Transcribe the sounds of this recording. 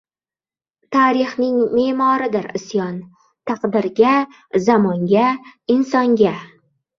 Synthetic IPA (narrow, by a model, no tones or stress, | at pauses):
t̪ʰaɾɪχnɪŋme̞ːmɒɾɪd̪ɪɾɪsjɒn | t̪ʰɑqd̪ɪɾɡʲa | zamɒŋɡʲaɪnsɒŋɡʲa